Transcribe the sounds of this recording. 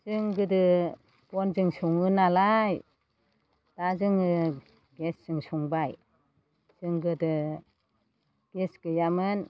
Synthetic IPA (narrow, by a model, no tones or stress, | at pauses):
zɯŋɡɯdɯ | bɔnzɯŋsuŋɯnalaj | d̥azɯŋɯ | ɡesz̥ɯŋsuŋbaj | z̥ɯŋɡɯdɯ | ɡ̥esɡ̥ɯjamɯn